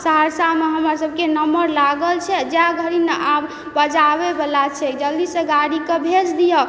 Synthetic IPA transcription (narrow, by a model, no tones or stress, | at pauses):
səɦəɾsameɦəmasəb̚kenəməɾlaɡəlt͡ʃʰɛd͡ʒaɡʱəɾineʔab | bəd͡ʒabebelat͡ʃʰɛd͡ʒəld̪iseɡaɽikebʱed͡ʒd̪ijə